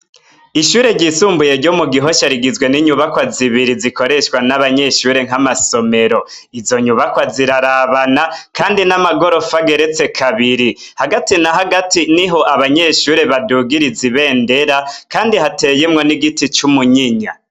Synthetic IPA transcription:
iʃuːɾe̞ɾɟisuːmbuje̞ɾɟomuɡiɦo̞ʃaɾiɡizwe̞niɲuβakwaziβiɾiziko̞ɾe̞ʃwanaβaɲe̞ʃuːɾe̞ŋ̥amaso̞me̞ɾo̞ | izo̞ɲuβakwaziɾaɾaβanakaːndinamaɡo̞ɾo̞faɡe̞ɾe̞t͡se̞kʰaβiɾi | haɡatinaɦaɡatiniɦo̞ʔaβaɲeʃuːɾe̞βaduːɡiɾiziβe̞ːnde̞ɾakaːndihate̞jemŋo̞niɡitit͡ʃumuɲiɲa̰

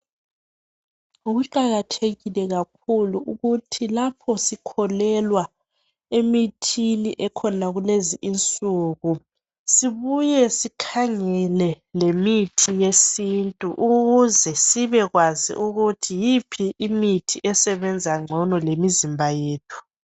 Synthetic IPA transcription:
uɣuǃaɣatʰeɣilɛɣak̚ʰuluʔuɣutʰilapʰɔsikʰɔlɛlwa | emitʰiliʔɛkʰɔnaɣuleziʔint͡sʼuːɣu | siβujɛsikʰaŋɛlɛ | lemitʰijesintʼuʔuɣuzɛsiβɛɣwazḭʔuɣutʰijipʰiːmitʰiʔɛsɛβɛnd͡zʱaŋ͡ǀʱɔnɔlemizimbʱajeːtʰu̥

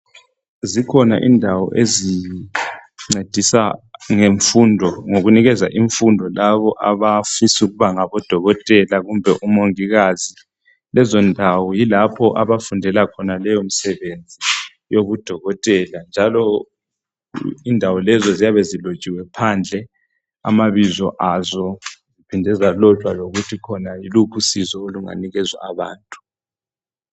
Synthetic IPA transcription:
zikʰɔna̰ʔḭndʱawɔ̰ʔezi | ŋ͡ǀed̥ʱisaŋeɱfundʱɔŋoɣuniɣɛza̰ʔiɱfundʱɔlaβɔʔaβafisuɣuβaŋaβɔd̥ʱɔɣɔtʼɛlaɣumbʱɛʔumoŋiɣazi | lɛzɔndʱawɔjilapʰɔʔaβafundʱɛlakʰɔnalɛjom̩sɛβend͡zʱi | joβud̥ʱɔɣɔtʼɛland͡ʒʱalɔ | indʱawɔlɛzɔzijaβezilot͡ʃʼiwɛpʰand͡ɮʱɛ | a̰maβizɔʔazɔzipʰindʱɛzalɔtʼwaloɣutʰikʰɔnailukʰusizɔoluŋa̰niɣɛzwa̰ːβaːntʼu̥

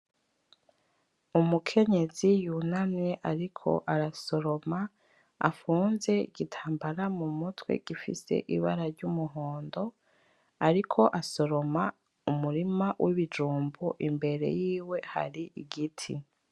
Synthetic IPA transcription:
umukʰe̞ɲe̞zijunamŋe̞ʔaɾikʰo̞̰ʔaɾaso̞ɾo̞ma | a̰fuːnze̞iɡ̥itʰaːmbaɾamumutwḛɡ̥ifḭse̞̰ʔiβa̰ɾaɾɟumuɦoːndo̞ | aɾikʰo̞ʔaso̞ɾo̞ma | umuɾimawʔiβid͡ʒuːmbuʔimbe̞ɾe̞̰jiːwe̞ha̰ɾiiɡitʰḭ

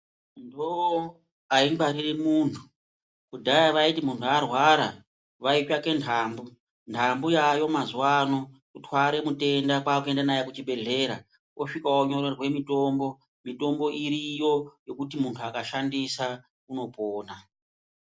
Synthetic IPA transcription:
ndowo | aiŋɡwaɾiremuːntʰu̥ | kudʱajaʋaitimuntʰuarwaɾa̰ | ʋait͡ʃake̞ntʰaːmbu | ntʰambujajo̞mazuwanokutwaɾe̞mute̞ndakwaːkue̞ndanajekut͡ʃibʱe̞ɮe̞ɾa̰ | wʔo̞ʂikaoɲo̞rerwe̞mito̞mbo̞ | mito̞mbo̞ʔiɾijo̞jo̞kutimuntʰuakaʃandisa | uno̞poːna

